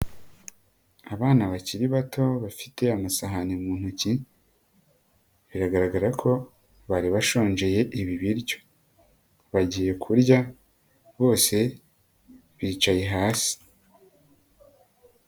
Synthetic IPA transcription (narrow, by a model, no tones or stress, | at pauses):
aβaːnaβaciɾiβatʰo̞βafi̥te̞amasaɦanemuːn̥huci | βiɾaɡaɾaɡaɾakʰo̞ | βaɾiβaʃo̞ːnd͡ʒe̞je̞ʔiβiβiɾjo̞̥ | βaɟiːje̞kʰuɾɟa | βo̞ːse̞ | βiːt͡ʃaje̞ɦaːsi̥